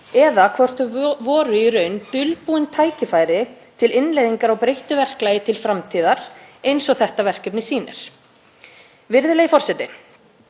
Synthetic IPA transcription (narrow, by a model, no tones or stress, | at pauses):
ɛðakʰvɔr̥t̪ʏvɔːɾʏiɾœɥnt̪ʏlpuːɪnt̪ʰaːjcɪfaːjɾɪ | t̪ʰɪlɪnlejðiŋkaɾawpɾejht̪ʏvɛr̥klajɪt̪ʰɪlfɾamt̪ʰiːðaɾ̥ejnsɔɣθɛht̪avɛr̥cɛpnɪsiːnɪ̰ɾ̥ | vɪɾðʏlejɪfɔr̥sɛt̪ːɪ